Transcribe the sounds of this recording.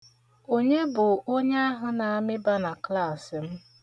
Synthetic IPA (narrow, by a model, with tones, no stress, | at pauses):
o˦ɲe˦bʊ˨o˦ɲe˦a˦ɦʊ˨na˨a˨mɪ˦ba˦na˨kla˦˨sɪ˨m̩˦